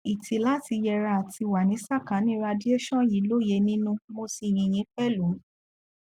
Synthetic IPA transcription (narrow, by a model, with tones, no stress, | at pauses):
i˨tʰi˨˦la˦ti˧jɛ˧ɾa˧a˨tʰi˧wa˨nĩ˨˦sa˦˨kã˨˦nĩ˦ɾa˧di˦ɛ˦ʃɔ̃˦ji˨˦lo˦˨je˧˦nĩ˦nũ˦mo˧si˧˨j̃ĩ˧˨j̃ĩ˨˦fɛ˦˨lu˨˦